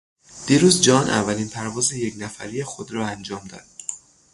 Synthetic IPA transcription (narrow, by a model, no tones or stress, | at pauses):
d̪̥iːɾuːzd͡ʒɒːnʔæ̰vːæliːnpʰæɾvɒːzeje̞cnæfæ̰ɾijexod̪ɾɒːænd͡ʒɒːmd̪ɒ̰ːd̪̥̚